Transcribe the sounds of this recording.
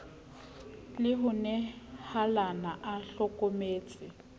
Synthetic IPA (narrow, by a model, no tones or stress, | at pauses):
lɪɦʊnɛhalanaʔaɬɔkʼomeːt͡sʼɪ